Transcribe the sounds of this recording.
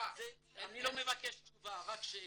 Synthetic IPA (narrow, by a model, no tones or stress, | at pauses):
anilɔ̃mevakɛʃt̪uvaʁakʃe